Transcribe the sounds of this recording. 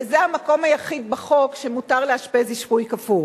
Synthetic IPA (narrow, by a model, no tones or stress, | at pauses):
zeamako̞majaχid̪̚baχo̞kʃe̞mut̪aʁleaʃpeziʃpujkafu